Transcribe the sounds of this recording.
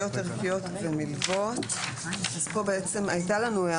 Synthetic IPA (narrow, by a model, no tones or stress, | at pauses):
o̞t̪eʁkijo̞t̪vemilvo̞t̪ | azpo̞beet͡se̞majtalanuea